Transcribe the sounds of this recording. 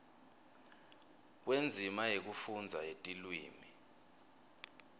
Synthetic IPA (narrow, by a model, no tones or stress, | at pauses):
k̬wend͡zʱimajek̬ufund͡zʱajetʼilwiːmi